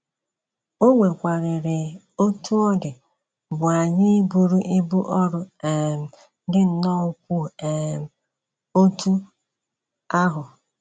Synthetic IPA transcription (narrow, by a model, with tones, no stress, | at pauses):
o˦ŋʷe˨kʷa˨ɾɪ˨ɾɪ˨ | o˦tʰu˦ɔ˦dɪ˨ | bʊ˨a˨ɲɪ˦bu˨ɾu˦ʔi˦bu˦ʔɔ˦ɾʊ˨ | dɪ˦n̩˦nɔ˦ʊ˦kʷu˦e˨ | o˦tu˦ | a˦ɦʊ˨